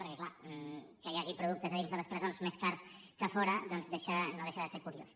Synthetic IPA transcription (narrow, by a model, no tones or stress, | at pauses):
pəɾkəklamkəjaʒipɾuðuk̚t̪əzəðinzðələspɾəzonzmeskaɾs | kəfɔɾəd̪ɔnzðeʃənoðeʃəðəseɾkuɾio̰s